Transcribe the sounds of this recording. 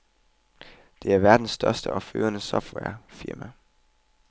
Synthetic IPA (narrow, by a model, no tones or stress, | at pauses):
d̥e̝æɐʋæɐd̥n̩sːd̥ɶɐsd̥əʔɒ̽fø̰ːɐnəsɒfd̥wæ̰ɐ̰fiɐmæ